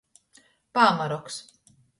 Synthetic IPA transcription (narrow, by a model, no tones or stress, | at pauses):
paːmaɾɔks